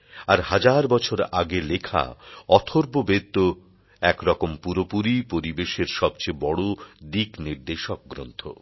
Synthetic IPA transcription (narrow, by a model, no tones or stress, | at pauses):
aɾhad͡ʑaɾbɔt͡ɕʰoɾaɡelekʰa̰ɔt̪ʰoɾbobet̪ːo | ɛkɾɔkompuɾopuɾipoɾibeʃeɾʃɔbt͡ɕebɔɽod̪ikniɾd̪eʃok̚ɡɾo̰nt̪ʰo̰